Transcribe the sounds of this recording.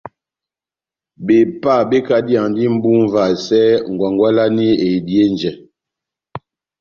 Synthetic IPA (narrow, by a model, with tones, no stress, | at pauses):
be˨pa˦˨be˦ka˦di˦a˨ŋ˨di˦m̩˦bu˦m˦va˨sɛ˦ŋ̩˨ɡwa˨ŋɡwa˦la˦ni˦e˨di˦e˦n˨d͡ʒɛ˨